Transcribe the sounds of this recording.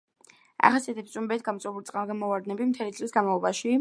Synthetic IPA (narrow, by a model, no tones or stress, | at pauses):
a̰χasiat̪ʰɛpst̪sʼumbɛt̪̚ʰɡamt̪sʼɛbulit̪sʼaɾɡanmɔvaɾd̪nɛbimt̪ʰɛlit̪sʼlisɡanmalˠɔbaʃi